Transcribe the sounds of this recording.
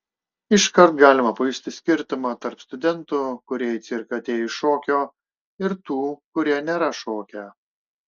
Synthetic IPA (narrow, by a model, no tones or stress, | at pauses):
ɪʃkɐɾt̪ɡɑːlʲɪmɐpʊɪsʲt̪ʲɪsʲkʲɪɾʲt̪ʊmɑːt̪ɐɾpst̪ʊd̪ʲɛnt̪ʊkʊɾʲiɛɪt̪sʲɪɾkɐɐt̪ʲeːjɪʃoːkʲoː | ɪɾt̪uːkʊɾʲiɛnʲeːɾɐʃoːkʲɛ